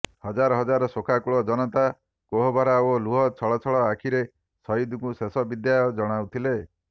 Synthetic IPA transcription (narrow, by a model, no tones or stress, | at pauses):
hɔd͡ʒaɾɔɦɔd͡ʒaɾɔsokʰakuɭɔd͡ʒɔnɔt̪a | koɦɔbʱaɾaoluɦɔt͡ʃʰɔɭɔt͡ʃʰɔɭɔakʰiɾe | sɔid̪uŋkusesɔbid̪jajɔd͡ʒɔɽ̃awt̪ʰile